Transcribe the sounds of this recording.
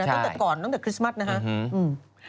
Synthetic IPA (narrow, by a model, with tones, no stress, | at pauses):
tɔ˥˧˩t̪ːkɔː˨˩nt̪ɔ˥˩ɛː˨˩kʰɾi˦˥sma˥t̪̚na˦˥kʰa˦˥ʔɯː˨˩m